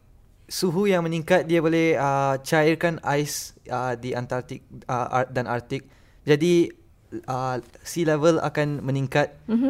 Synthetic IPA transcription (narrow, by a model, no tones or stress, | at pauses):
suɦujaŋmə̃nĩŋkat̪̚diabolɛhət͡ʃairkanajsədiant̪art̪ɪk̚ədanart̪ɪk̚ | d͡ʒadi | əsilɛvəla̰kanmə̃niŋkat̪̚